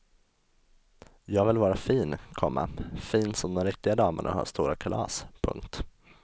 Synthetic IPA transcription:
jɑːɡvɪlvɑːɾafiːnkʰɔmːa̰fiːnsɔmd̪ɔmɾɪk̚t̪ɪɡad̪ɑːməɳʔa̰ha̰ːʂt̪uːɾakʰalɑ̰ːspʰɵ̰ŋk̚t̪

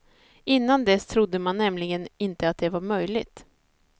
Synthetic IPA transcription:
ɪnːand̪ɛst̪ʰɾʊd̪ːəmanːɛmlɪɡənɪnt̪əat̪̚d̪ɛvaɾmœjlɪt̪

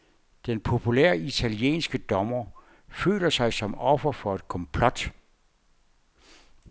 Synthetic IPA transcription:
d̥enpʰo̝pʰulḛɐit͡sʰæljḛːnsɡ̥əd̥ɒmɐ | fø̰ːlɐsɑ̈ɪsɒ̽mɒ̽fɐfɒ̽e̝d̥kʰɒ̽mpʰlɒ̽d̥

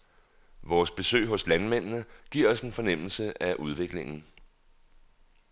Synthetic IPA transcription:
ʋɒːsb̥e̝sø̰ɪɦɔ̽slænmen̰nəɡ̥iɐ̰ɒ̽se̝nfɒ̽nem̰l̩səʔæʔuð̞ˠʋe̝ɡ̥le̝ŋn̩

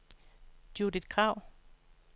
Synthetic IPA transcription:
d̥jud̥id̥̚kʰʁɑ̈ʊ̰

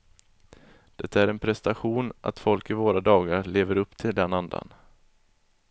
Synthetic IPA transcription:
d̪̥ɛt̪ːaæɾɛnpʰɾɛst̪aɧuːnʔa̰t̪fɔlkɪvoːɾad̪ɑːɡaɾɭeːvəɾɵpːt̪ʰɪld̪ɛnand̪a̰n

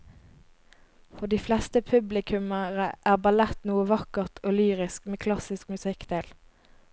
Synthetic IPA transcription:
fɔʁd̪iːflɛst̪əpʰʉblɪkʰʉməʁəʔæːʁbɑlɛt̪nuːəʋɑkəʁt̪ʰoːlyːʁɪskmeːkʰlɑsɪskmʉsɪkd̪̥eːl

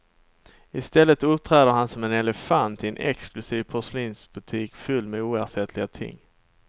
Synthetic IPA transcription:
ɪst̪ɛlːət̪ɵp̚t̪ʰɾæːd̪əɾɦhansɔmɛnɛlɛfant̪ʰɛnʔɛ̰ksklɵsiːvpʰɔʂliːnsbɵt̪ʰiːkfɵlːmɛuːæʂɛt̪ʰlɪɡat̪ʰɪ̰ŋː

